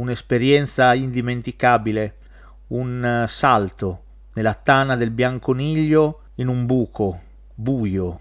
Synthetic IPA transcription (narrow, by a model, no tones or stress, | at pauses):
unespeɾjɛnt̪saind̪iment̪ikaːbile | unsalt̪o | nelat̪anad̪elbjaŋkoniʎːo | inumbuːko | buːjo